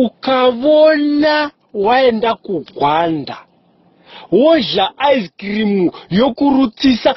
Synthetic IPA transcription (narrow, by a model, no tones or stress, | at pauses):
ukaʋona | waendakuɡʱwanda | woɮaʔaiskrimujo̞kurut͡sisa